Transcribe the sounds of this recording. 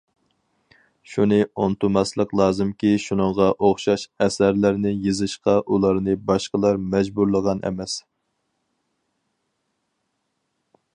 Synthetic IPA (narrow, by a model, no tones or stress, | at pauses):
ʃunɨont̪umɑslˠəqlˠɑːzɨmkʲiʃunəŋʁɑʔoχʃɑʃɛsæɾlɪɾnɪjɨzɨʃqɑʔulˠɑɾnɨbɑʃqəlˠɑɾmɛd͡ʒbuɾlˠəʁɑnʔɛ̰mɛs